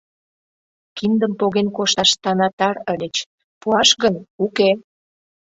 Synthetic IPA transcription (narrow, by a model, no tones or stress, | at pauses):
kind̪əmpoɣenkoʃɑʃt̪ɑnɑt̪ɑɾəlʲet͡ɕ | puɑʃɣənuke